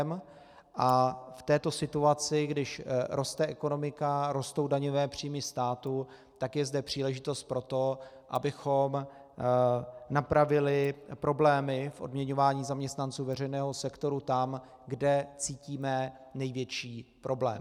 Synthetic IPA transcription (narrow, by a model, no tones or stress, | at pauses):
m | ʔaft̪ɛːt̪o̞sɪt̪uat͡sɪɡdɪʃɾʔo̞st̪ɛʔɛko̞no̞mɪkaɾo̞st̪o̞wdaɲovɛːpr̝̥iːmɪst̪aːt̪u | t̪akjɛzdɛpr̝̥iːlɛʒɪt̪o̞st̪̚pɾo̞t̪o̞ | ʔa̰bɪxo̞m | napɾavɪlɪpɾo̞blɛːmɪfʔo̞dmɲɛɲo̞vaːɲiːzamɲɛst̪nant͡suːvɛr̝ɛjnɛːɦosɛkt̪o̞ɾut̪am | ɡdɛt͡siːciːmɛ | nɛjvjɛt͡ʃiːpɾʔo̞blɛ̰ːm